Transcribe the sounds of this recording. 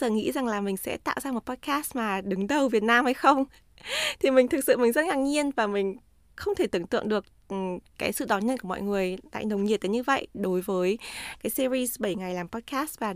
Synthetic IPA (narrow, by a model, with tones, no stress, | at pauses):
zəː˨˩ŋḭ˧˥za˨˩ŋlaː˨˩mï˨˩ŋ̟sɛ̰˧˥t̪a̰ː˧˨wzaː˧m˨˩t̚pɔ˧˦˥t̚kaː˦˥smaː˨˩ɗɨ˨˦ŋɗə˨˩wvi˨˩ət̚naː˧mhə˨˧˦jxə˧wŋ͡m | t̪ʰi˨˩mï˨˩ŋ̟t̪ʰɨ˨˩k̚sɨ̰˧˨mï˨˩ŋ̟zə˦˥t̚ŋa˨˧˩ŋ̚ɲi˧ənvaː˨˩mï˨˩ŋ̟ | xə˧wŋ͡mt̪ʰe˧˩t̪ɨ˨˧˩ŋt̪ɨ̰˧˨əŋɗɨ˨˩ək̚ | kaː˨˦jsɨ̰˧˨ɗɔ˨˦nɲə˧nku˧˩mɔ̰˧˨jŋɨ˨˩əjla̰ː˧˨jnə˨˩wŋ͡mɲi˨˩ət̚t̪ːə˨˦ɲɨ˧və̰˧˨jɗo˨˦jvəː˨˦jkaː˨˦jsi˧zi˧zɓə˧˩jŋa˨˩jlaː˨˩mpɔ˨˦˥t̚kaː˦˥s̚vaː˨˩